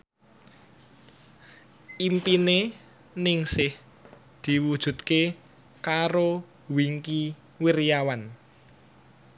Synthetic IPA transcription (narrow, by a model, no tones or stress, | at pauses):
impine | nɪŋsɪh | d̪̥i̤wud̥ʒ̥ṳt̪̚ke | kaɾo | wiŋki | wirjawan